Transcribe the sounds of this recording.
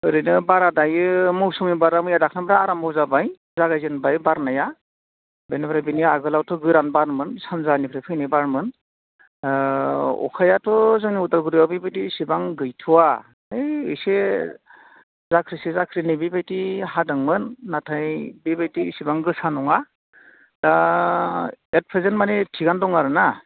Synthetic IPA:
ɯɾɯnɯbaɾadajɯmɯwsɯŋibaɾamɯjadakʰnabɾaːɾambɔzabaj | zaɡajzɯnbajbaɾnaja | bejnɯbɾabinijaaɡɯlawtʰɔɡɯɾanbaɾmɯnsanzanipʰɾepʰɯjnibaɾmɯn | ɔ̰kʰajatʰɔzɯŋniutalɡɯɾijawbibajtisibaŋɡɯjtʰuwa | ejɯjse | zakʰɾisezakʰɾinibibajtiɦadɯŋmɯnːatʰajbibajtisibaŋɡɯsanɔŋa | da | et̚pʰɾezenmanetʰiɡandɔŋaɾɯna

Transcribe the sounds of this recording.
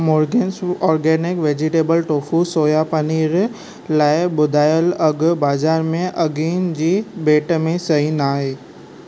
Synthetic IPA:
mɔːɾɡeːnsɔːɾɡɛːnɪkʋeːd͡ʑɪʈeːbəlʈoːfusoːjapɐniːɾ | laːɪɓʊd̪ʱaːjəlɐɡbaːzaːɾmẽʔɐɡiːnd͡ʑiːbeːʈmẽsɐĩnaːɦeː

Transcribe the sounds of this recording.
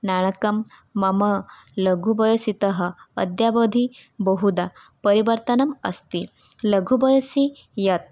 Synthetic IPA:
naɽ̃əkəmː | əmə | ləɡʱubəjsit̪əɦə̰̆ːd̪jabəd̪ʱibəɦud̪a | pəɾiʋəɾt̪ənɐmə̰st̪i | ləɡʱubəjsi | jɐt̪̚

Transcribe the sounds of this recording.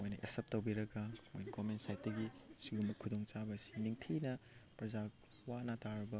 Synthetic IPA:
mojnɐʔesɐp̚towbiɾɐɡɐmojnɐɡomensajt̚dɐɡisiɡumbɐkʰudoŋt͡ʃabɐsi̥niŋtʰinɐpɾɐza | wanɐtaɾɐbɐ

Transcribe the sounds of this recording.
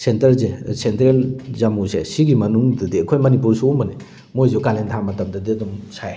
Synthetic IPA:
sentɐɾzesentɾelzamusḛsiɡimɐnuŋdɐdiɐkʰojmɐnipuɾsuːmɐni | mojzukalentʰamɐtɐmdɐdiɐdɔmsaj

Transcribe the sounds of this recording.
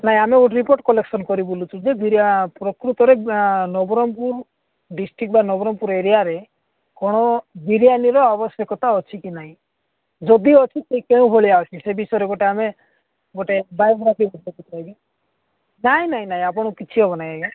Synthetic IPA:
naɦĩameɡoʈɾipoɾʈkɔleksɔnkɔɾibulut͡ʃʰud͡ʒeb̪iɾijapɾɔkɾut̪ɔɾenɔbɔɾɔmpuɾ | ɖisʈɾik̚ʈbanɔbɔɾɔmpuɾeɾijaɾe | kɔɽ̃ɔbiɾjaniɾɔabɔsjɔkɔt̪aɔt͡ʃʰikinaɦĩ | d͡ʒɔd̪iɔt͡ʃʰisekeũbʱoɭiaɔt͡ʃʰisebisɔjɾeɡoʈeame | ɡoʈebajbɾabibɔdɔkit̪ɾajbi | naɦĩnaɦĩnaɦĩapɔɽ̃ɔkit͡ʃʰiɔbɔnajaɡi

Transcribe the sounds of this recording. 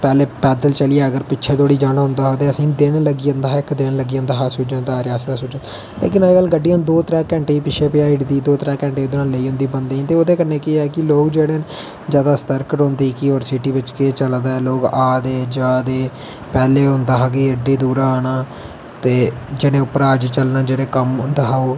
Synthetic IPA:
pɛːleːpɛːd̪əlt͡ʃəlɪaːəɡəɾpɪːʃʰeːt̪oːɽiːd͡ʒaːɽ̃aːɦʊ̃nd̪aːɦoːt̪eːəsĩːd̪eːɽːləɡiːãːnd̪aːɪkd̪eːɽləɡijãːnd̪aːɦaːsʊd͡ʒãːnd̪aːɾɪjaːsd̪aːsʊːd͡ʒəː | lḛːkɪnːɡəlɡəɖːɪjãːd̪oːt̪əɾɛ̃ːkɛ̃ːɳʈeːpɪʃʰeːpɪaːɪʈd̪iːd̪oːt̪ɾɛ̃ːkɛ̃ːɳʈeːoːd̪nãːləiːɦʊ̃nd̪iːbənd̪ẽːt̪eːoːd̪eːkənːeːkɪːkɪloːkd͡ʒeːɽeːn | d͡ʒjaːd̪aːst̪əɾkəʈɦõːnd̪iːkioːɾsiʈiːbɪt͡ʃket͡ʃəld̪aːɛːloːɡaːd̪eːd͡ʒaːd̪eː | pɛːleːɦʊ̃nd̪aːɦaːɡeːəɖiːd̪uːɾaːnaː | t̪eːd͡ʒɪɽẽːʊpəɾaːd͡ʒt͡ʃəlnaːd͡ʒeːɽẽːkəmnd̪aɦaːoː

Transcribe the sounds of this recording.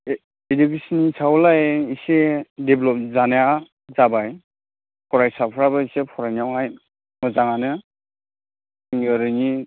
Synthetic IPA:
edukesɔnisʰawlajisedeblɔp̚zanaja | zabaj | pʰɔɾajsapʰɾabaisepʰɔɾajnawhaj | mɯzaŋanɯ | iŋɯɾɯni

